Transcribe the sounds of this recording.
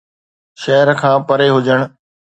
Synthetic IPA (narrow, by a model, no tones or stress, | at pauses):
ʃɐɦəɾkʰãːpɐɾeɦʊd͡ʑəɽ̃